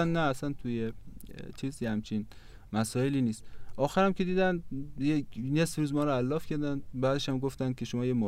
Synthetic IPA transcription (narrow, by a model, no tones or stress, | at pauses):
ænnæːsænt̪ʰujet͡ʃʰizhæmt͡ʃʰin | mæsɒːeliːniːst̪ʔɒːxæɾæmkʲʰe̞d̪iːd̪ænd̪jenesfɾuːzmɒːɾɔælːɒːfkʰæɾd̪ænbæːd̪eʃæmɡoft̪æn̚kʲʰe̞ʃomɒːjemo